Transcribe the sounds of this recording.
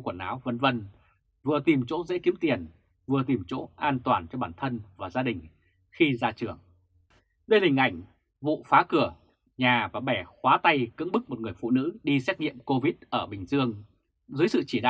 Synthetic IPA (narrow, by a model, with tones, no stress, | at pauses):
kwə˧˩nʔaː˨˦wvə˧nvə˧n | vɨ˨˩ət̪i˨˩mt͡ɕo̰˧˦˥zḛ˧˥ki˦əmt̪i˨˩ən | vɨ˨˩ət̪i˨˩mt͡ɕo̰˧˥ʔaː˧nt̪waː˨˩nt͡ɕɔ˧ɓaː˧˩nt̪ʰə˧nvaː˨˩zaː˧ɗï˨˩ŋ̟ | xi˧zaː˧t͡ɕɨ˨˩əŋ | ɗə˧jhï˨˩ŋ̟ʔa˧˩jŋ̟ | vṵ˧˨faː˨˦kɨ˧˩ə | ɲaː˨˩vaː˨˩ɓɛ˧˩xwaː˨˦t̪a˧jkɨ̰˧˥əŋɓɨ˦˥k̚mo˨˩t̚ŋɨ˨˩əjfṵ˧˨nɨ̰˧˥ɗi˧sɛ˦˥t̚ɲḭ˧˨əmko˧vi˦˥t̚ʔəː˧˩ɓï˨˩ŋ̟zɨ˧əŋ | zɨː˨˦jsɨ̰˧˨t͡ɕi˧˩ɗa̰ː˧˨